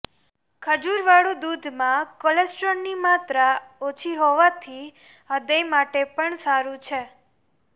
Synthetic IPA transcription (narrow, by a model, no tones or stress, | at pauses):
kʰəd͡ʒuɾʋaɽũd̪ud̪ʱmãkolesʈɾəɾnimat̪ɾaot͡ʃʰiɦoʋat̪ʰi | əd̪əjmaʈepəɳsaɾũt͡ʃʰe